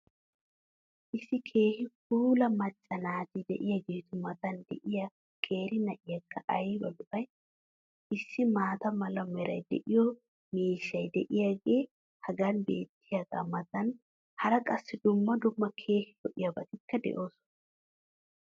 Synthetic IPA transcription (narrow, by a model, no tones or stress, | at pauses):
ʔɪsːɪkʰe̞ːhɪk̚uːlɐmɐt͡ʃʼːɐnaːd͡ʒɪd̪ɛ̰ʔɪjaɡe̞ːt̪ʊmɐt̪ɐnd̪ɛ̰ʔɪjɐ | kʰʼe̞ːɾɪnɐʔɪjɐkːɐʔɐjbɐlʊʔɐj | ɪsːɪmaːt̪ɐmɐlɐmɛɾɐ̰jd̪ɛ̰ʔɪjɔ | miːʃːɐjd̪ɛʔɪjaːɡe̞ː | hɐɡɐnbe̞̰ːt̪ːɪjaːɡa̰ːmɐt̪ɐn | hɐɾɐkʼɐsːɪd̪ʊmːɐd̪ʊmːɐkʰe̞ːhɪtɔʔɪjɐbɐt̪ɪkʰːɐd̪ɛ̰ʔo̞ːsɔ̥nɐ